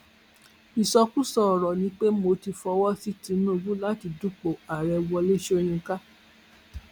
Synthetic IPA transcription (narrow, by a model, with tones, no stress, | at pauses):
i˨sɔ˧ku˦sɔ˦˨ɾɔ˨nĩ˨˦k͡pe˦mo˧ti˧fɔ˧wɔ˦si˦ti˧nũ˦˨˧ɡũ˦la˦ti˧du˦k͡po˨a˨ɾɛ˧wɔ˧le˦ʃo˦j̃ũ˧ka˦